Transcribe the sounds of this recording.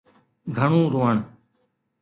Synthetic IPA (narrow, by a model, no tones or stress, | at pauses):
ɡʱəɳũːɾoːəɳ